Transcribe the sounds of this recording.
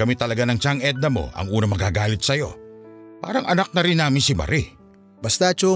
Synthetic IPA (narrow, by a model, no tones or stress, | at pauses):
kɐmit̪ɐlɐɡanɐŋt͡ʃaŋɛd̪̚nɐmo̞̰ʔɐ̰ŋuːnɐmɐɡaːɡaːlɪt̪̚sɐjo̞̰pa̰ːɾɐŋʔɐnak̚nɐɾɪnːaːmɪnsɪmɐ̰ɾʔi | bɐst̪at͡ʃo